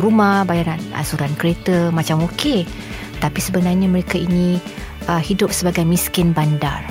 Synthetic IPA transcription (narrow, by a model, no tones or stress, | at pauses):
rumahbajaɾanə̰suɾankɾet̪əmãt͡ʃamoke | t̪apisəbənarɲaməɾekaini | əhidʊp̚səbaɡajmĩskɪnbanda̰r